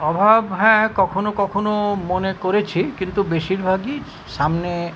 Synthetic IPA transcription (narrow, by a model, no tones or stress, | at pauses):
ɔbʱabɦɛ̃kɔkʰonokɔkʰonomonekoɾet͡ɕʰikint̪ubeʃiɾbʱaɡi | ʃamne